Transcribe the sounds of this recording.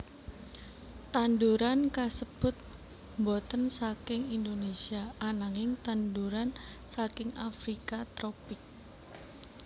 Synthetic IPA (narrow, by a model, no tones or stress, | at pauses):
t̪and̪uɾankasəb̥ʊ̤t̪̚ | mbot̪ənsakɪŋind̪onesiaanaŋɪŋt̪anduɾansakɪŋafɾikat̪ɾɔpɪk̚